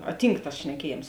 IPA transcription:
ɐ ˈtʲiːŋk tɐs ʃʲnʲɛˈkʲiɛˌjeːms

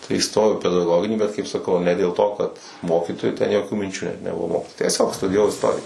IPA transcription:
tɐɪ iːˈstoːjɛʊ ɪ pʲɛdɐˈɡoːɡʲɪnʲiː bʲɛt ˈkɐɪp sɐˈkɐʊ nʲɛ dʲeːlˠ ˈtoː kɐt ˈmoːkʲiːtoːjʊ tʲɛn joːˈkʲuː mʲɪnʲˈt͡ʃʲuː nʲɛt nʲɛˈbʊʋoː tʲiɛˈsʲoːk stʊdʲɪjɛˈʋɐʊ ɪsˈtoːrʲɪjɛ

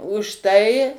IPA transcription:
ʊʃ ˈtɐɪ

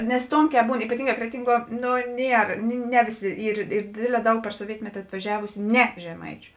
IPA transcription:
nʲɛs ˈtoːŋʲˌkʲɛː ˈbuːn iːpɐˈtʲiːŋˌɡɑː ˈkrʲæːtʲɪŋˌɡuɔ ˈnoː ˈnʲiɛr ˈnʲɛ ʋʲeːˌsʲɪ ˈiːr ˈiːr ˈdʲeːdʲˌlʲɛː ˈdɐʊk pʲɛr soːˈʋʲiɛtʲmʲɛtʲɪ ɐtʋɐˈʒʲæːʋʊsʲʊ ˈnʲɛ ʒʲɛˈmɐɪt͡ʃʲʊ

